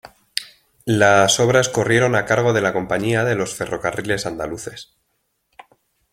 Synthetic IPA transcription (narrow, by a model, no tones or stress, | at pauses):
laso̞βɾasko̞rje̞ɾo̞nakaɾɣ̞o̞ðe̞lako̞mpaɲiaðe̞lo̞sfe̞ro̞karile̞sand̪aluθe̞s